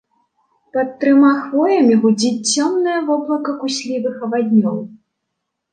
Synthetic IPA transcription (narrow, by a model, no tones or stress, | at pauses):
pɐt̪ːɾɨmaxvɔjɐmʲiɣud͡zʲit͡sʲt͡sʲːɔmnɐjɐvɔblˠɐkɐkusʲlʲivɨxɐvad̪ʲnʲɔw